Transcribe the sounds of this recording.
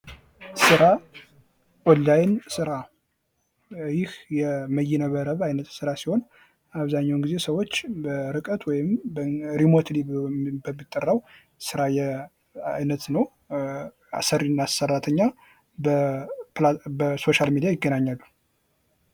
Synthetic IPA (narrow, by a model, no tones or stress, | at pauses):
sɨɾa | ɔlːajnsɨɾa | jɪhjɛməjɛnəβəɾəβajnət̪sɨɾasiho̞n | aβzaɲːawnɡize̞səwo̞t͡ʃːbəɾɨkʼət̪ʰwɔjɪmbɾimot̪ʰlibbəmːɨt̪ʼːərːaw | sɨɾajɛ | a̰jnət̪nəw | a̰səɾinːasərːat̪ʰəɲːa | bəlabəso̞ʃalmid̪ijajɪɡːənaɲːalːu